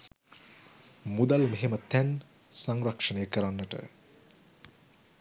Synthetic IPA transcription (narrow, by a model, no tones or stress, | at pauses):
mud̪almeɦemət̪ɛn | saŋɾakʂɐnejəkəɾanːəʈə̰